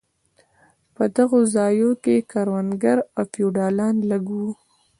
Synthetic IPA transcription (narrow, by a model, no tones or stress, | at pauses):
pəd̪aɣozɑjokekaɾwanɡaɾafjuɖɑlɑnlaɡu